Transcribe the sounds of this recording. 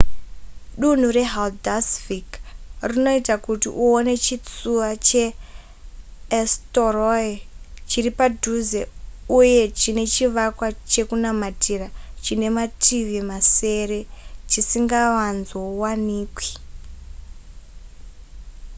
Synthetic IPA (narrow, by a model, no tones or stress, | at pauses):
ɗun̤ure̞ɦaldasfikrino̞itakutḭʔuone̞t͡ʃit͡suʋat͡ʃe̞ | storoet͡ʃiripadʱuzeuje̞t͡ʃine̞t͡ʃiʋakwat͡ʃe̞kunamatʰirat͡ʃine̞matʰiʋimase̞re̞t͡ʃisiŋɡaʋanzowaniːkwi̥